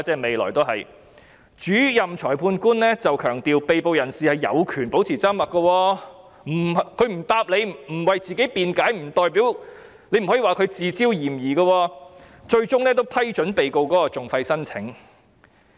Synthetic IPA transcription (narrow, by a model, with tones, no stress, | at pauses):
t͡sɛː˧kme˨jlɔ̰ː˨˩jt̪o˥wɦɐ̰˨j | t͡ʃyː˨˥jɐ˨mt͡ʃʰɔː˨˩jpʰuː˧nkuː˥nlɛː˥t͡sɐ˨wkʰœː˨˩ŋt̪iː˨wpe˨jpo˨wjɐ˨˩nsiː˨hɐ˨jːɐ̰˨˧wkʰyː˨˩npo˨˥wt͡sʰiː˨t͡saː˥mɐ˨t̚kːɐ˧wɔː˧ | m̩˨˩˨kʰɵ˨˧˥ɥm̩˨˩t̪aː˧p̚le˨˧jm̩˨˩wɐ˨jt͡siː˨ke˨˥jpiː˨˧nkaː˨˥jm̩˨˩t̪ɔː˨jpiː˨˥w | ne˧˥jm̩˨˩hɔ˨˥iː˨waː˨kʰɵ˨˧ɥt͡siː˨˧t͡siː˥wjiː˨˩mjiː˨˩kɐ˧wɔː˧ | t͡ʃɵ˧ɥt͡ʃʊ˥ŋnɛː˥t̪o˥wpʰɐ˥jt͡ʃɵ˨˥npe˨jko˧wkɔː˨˥kɔː˧t͡sʊ˨ŋfɐ˧jsɐ˥nt͡sʰɪ̰˨˥ŋ